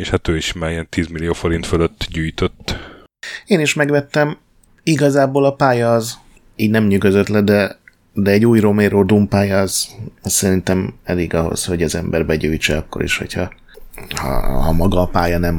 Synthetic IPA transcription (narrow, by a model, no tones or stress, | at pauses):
eʃhat̪øːiʃmaːɾijɛnt̪iːzmilijoːfo̞ɾint̪føløt̪ːɟyːjt̪øt̪ː | eːniʃmɛɡʋɛt̪ːɛm | iɡɒzaːboːlɒpaːjɒːz | iːɟnɛmɲyɡøzøt̪lɛd̪ɛ | d̪ɛːɟuːjromeːɾoːd̪umpaːjɒːzɒssɛɾint̪ɛmɛleːɡɒɦo̞̰sho̞ɟɒzɛmbɛ̰rbɛɟyːjt͡ʃɛɒkːo̞̰ɾḭʃho̞̰chɒ | hɒ̰hɒ̰mɒɡɒːpaːjɒnɛm